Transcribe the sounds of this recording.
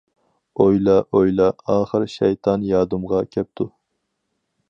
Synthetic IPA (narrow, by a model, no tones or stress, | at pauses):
ojlˠɑʔojlˠɑɑːχəɾʃɛjt̪ʰɑnjɑːd̪ɨmʁɑkʲʰɛp̚t̪ʰu